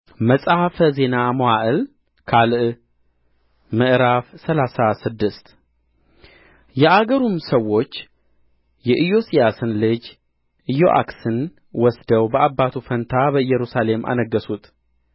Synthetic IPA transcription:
məsʼahfəze̞namoaʔɨl | kʰalʔ | mɨʔɾafsəlasasɨd̪ːɨst̪ | jɛʔaɡəɾumsəwo̞t͡ʃː | jɛʔɨjo̞sijasɨnlɨd͡ʒ | ɨjo̞̰ʔa̰ksɨn | wɔsd̪əwbəʔabːat̪ʰufənt̪ʰabəɨjːɛɾusale̞mʔa̰nəɡːəsut̪

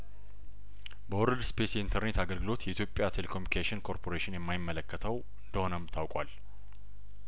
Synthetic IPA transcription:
bəwʊɾɨd̪spʰe̞sint̪ʰəɾne̞t̪aɡəlɡɨlo̞t̪jɛit̪ʰjo̞pʼːjat̪ʰelekʰomikʰeʃɪnkʰo̞ɾpʰo̞ɾeʃɪnjɛmːajɪmːələkːət̪ʰəw | ɨnd̪əho̞nəmt̪ʰawkʼwal

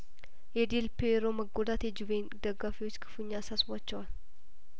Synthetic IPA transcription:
jɛd̪ilpeɾoməɡod̪at̪jɛd͡ʒɪvend̪əɡːafiwot͡ʃːkʰɨ̥fuɲːasasbat͡ʃːɛwal

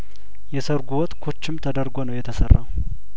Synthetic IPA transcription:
jɛsəɾɡuwɔt̪kʰot͡ʃːɪmt̪ʰəd̪əɾɡo̞nəwjɛt̪ʰəsərːa̰w

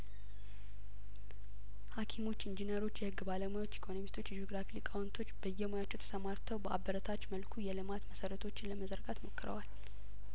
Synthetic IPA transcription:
hakʰimo̞t͡ʃːɨnd͡ʒinəɾo̞t͡ʃːjɛhɨɡːbaləmajo̞t͡ʃːikʰo̞nomist̪ʰo̞t͡ʃːd͡ʒo̞ɡɾafilɨkʼawnt̪ʰo̞t͡ʃːbəjːɛmojat͡ʃːɛwt̪ʰə̥səmaɾt̪ʰəwbəa̰bəɾət̪ʰat͡ʃːməlkʰujɛlɨmat̪məsəɾət̪ʰo̞t͡ʃːɪnləməzəɾɡat̪mo̞kːəɾə̰wal

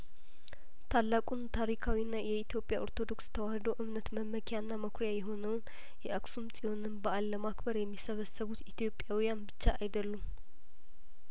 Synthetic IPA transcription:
t̪ʰalːakʼunt̪ʰaɾikʰawinːajɛit̪ʰjo̞pʼjaʔo̞ɾt̪ʰo̞d̪o̞kst̪ʰəwahəd̪owʔɨβnət̪məməkʰjanːaməkʰɾjajɛɦo̞nəwn | jɛʔəksumsʼiwo̞nɨnbəʔalːəmakbəɾjɛmːisəβəsəβut̪it̪ʰijo̞pʼːjawijanbɨt͡ʃːaajd̪əlːum

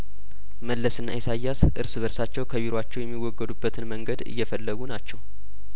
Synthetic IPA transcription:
məlːəsɨnːa̰jsajːasʔɨɾsɨβəɾsat͡ʃːɛwkʰəβiɾat͡ʃːɛwjɛmːiwːɔɡːəd̪ubːət̪ʰɨnməŋɡəd̪ɨ̰jːɛfəlːəɡunat͡ʃːɛw

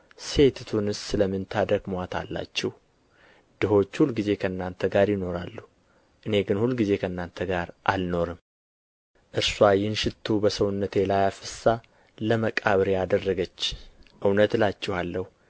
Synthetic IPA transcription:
se̞t̪ʰt̪ʰunɨssɨləmːɨnt̪ʰad̪əɡmoat̪ʰa̰lːa̰t͡ʃːɛh | d̪̥ɨho̞t͡ʃːhulːɡize̞kʰəɨnːant̪ʰəɡaɾjɪno̞ɾalːu | ʔɨne̞ɡɨnhulːɡize̞kʰəɨnːant̪ʰəɡaɾʔa̰lno̞ɾɨm | ʔɨɾsuajːɪnʃɪt̪ʰːubəsəwʊnːət̪ʰe̞lajafɨsa | ləməkʼaβɾead̪ərːəɡət͡ʃːʔɨwnət̪lat͡ʃːɛhalːəhu

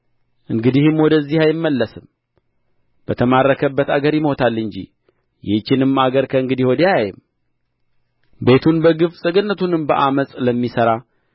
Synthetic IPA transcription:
ʔɨŋɡɨd̪ihɨmːwɔd̪əzːihajɪmːəlːəsɨm | b̥ət̪ʰəmarːəkʰəbːət̪aɡəɾjɪmho̞t̪ʰalːɨɲd͡ʒḭ | jɪht͡ʃːɪnɨmːaɡəɾkʰəɨŋɡɨd̪ihwɔd̪əjajajɪm | be̞t̪ʰunbəɡɨfsʼɨɡɨnːət̪ʰunɨmbə̰ʔaməsʼləmːisəɾa

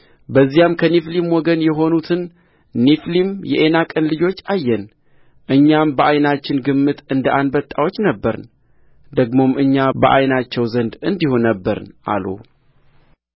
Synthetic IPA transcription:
bəzːijamkʰəniflimwɔɡənjɛɦo̞nut̪ʰɨn | niflimjɛʔenakʼɨnlɨd͡ʒo̞t͡ʃːajːɛn | ʔɨɲːambəʔajnat͡ʃːɪnɡɨmːɨt̪ɨnd̪əʔand̪bət̪ʼːawot͡ʃːnəbːəɾn | d̪əɡmo̞mʔɨɲːabəʔajnat͡ʃːɛwzənd̪ɨnd̪ihunəbːəɾɨ̰nʔa̰lo̰

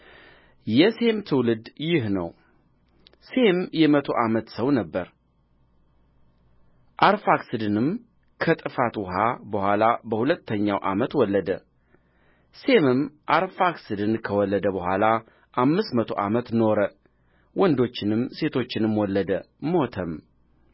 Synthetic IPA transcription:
jɛse̞mt̪ʰɨwlɨd̪jɪhnəw | se̞mjɛmət̪ʰo̞ʔamət̪səwnəbːəɾ | ʔaɾfaksɨd̪ɨnɨm | kʰət̪ʼɨfat̪wɔɦabəhwʷalabəhulət̪ːəɲːawʔa̰mət̪wɔlːəd̪ə | se̞mɨmʔaɾfaksɨd̪ɨnkʰəwɔlːəd̪əbəhʷala | ʔamːɨst̪mət̪ʰo̞̰ʔamət̪no̞ɾə | wɔnd̪o̞t͡ʃːɪnɨmːse̞t̪ʰo̞t͡ʃːɪnɨmwɔlːəd̪ə | mot̪ʰəm

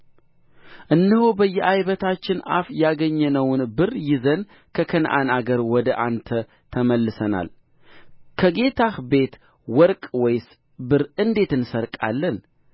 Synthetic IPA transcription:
ʔɨnːɨhobəjːɛʔajβət̪ʰat͡ʃːɪna̰fjaɡəɲːɛnəwnbɨɾjɪzən | kʰəkʰənʔanaɡəɾwɔd̪əʔant̪ʰə | t̪ʰəməlːɨsəna̰l | kʰəɡe̞t̪ʰahbe̞t̪ | wɔɾkʼwɔjs | bɨɾɨnd̪e̞t̪ɨnsəɾkʼa̰lːən

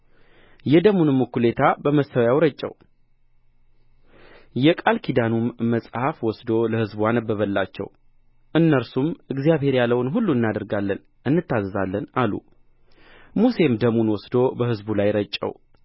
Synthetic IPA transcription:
jɛd̪əmunɨmːɨkːulet̪ʰabəməst̪əwjawɾət͡ʃʼːɛ̰w | jɛkʼalkʰid̪anumːəsʼhafwɔsd̪o̞ləhɨzbuanəbːəβəlːat͡ʃːɛ̰w | ʔɨnːəɾsumɨɡzijaβhe̞ɾjalːəwnɦulːuɨnːad̪əɾɡalːən | ʔɨnːɨt̪ːazəzalːənalṵ | muse̞md̪əmunwɔsd̪o̞bəhɨzbulajɾət͡ʃʼːə̰w

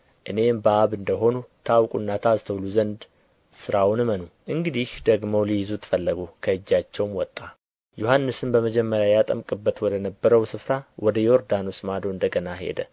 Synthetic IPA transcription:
ʔɨne̞mbəaβɨnd̪əɦo̞nut̪ʰəawkʼunːat̪ʰazt̪ʰəwluzənd̪ | sɨɾawnɨmənuʔɨŋɡɨd̪ihd̪əɡmowlijɪzut̪ʰɨ̥fəlːəɡukʰəɨd͡ʒːat͡ʃːɛwmwɔt̪ʼːa | johanːɨsɨmbəməd͡ʒɛmːəɾjajat̪ʼəmkʼɨbːət̪wɔd̪ənəbːəɾəwsɨfɾawʔɔd̪əjo̞ɾd̪ano̞smad̪oɨnd̪əɡənaɦe̞̰d̪ə

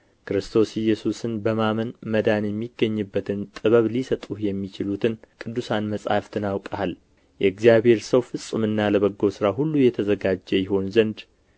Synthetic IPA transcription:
kɨɾɨst̪ʰo̞sɪjːɛsusɨnbəmamənməd̪anjɛmːiɡəɲːɨbːət̪ʰɨnt̪ʼɨβəβlisət̪ʼuhjɛmːit͡ʃɪlut̪ʰɨnkʼɨd̪ːusanməsʼha̰ft̪ʰɨnawkʼəal | jɛɨɡzijaβhe̞ɾsəwfɨsʼɨmɨnːaləβəɡːo̞sɨɾaɦulːujɛt̪ʰəzəɡad͡ʒːɛjɪɦo̞nzənd̪

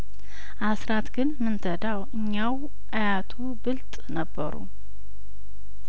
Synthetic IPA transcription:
ʔasɾat̪ɡɨnmɨnt̪ʰəd̪awɨɲːaw | ʔajat̪ʰubɨlt̪ʼnəbːə̰ɾṵ

